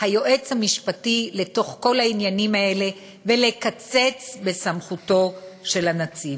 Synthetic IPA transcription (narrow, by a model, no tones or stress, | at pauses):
hajo̞ʔe̞t͡shamiʃpatile̞to̞χko̞lhainjanimae̞le̞ | ve̞le̞kat͡se̞t͡sbe̞samχuto̞ʃe̞lanat͡si